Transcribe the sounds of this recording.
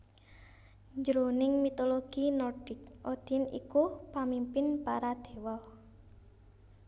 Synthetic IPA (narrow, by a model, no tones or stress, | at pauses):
ɲd͡ʒɾonɪŋmit̪oloɡ̥inɔrɖ̥ɪk̚ʔod̪̥inḭkupamimpɪnpaɾad̪̥e̤wɔ